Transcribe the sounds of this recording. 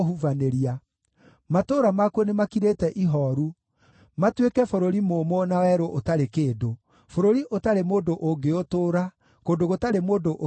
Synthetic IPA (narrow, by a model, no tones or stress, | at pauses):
ɦuvaneɾia | matoːɾamakuɔnemakiɾetɛʔiɦɔɾu | matwekɛfoɾoɾimoːmɔnawɛɾoʔotaɾekeːdo | foɾoɾiʔotaɾemoːndoʔoɡeotoːɾa | koːndoɣotaɾemoːndoʔo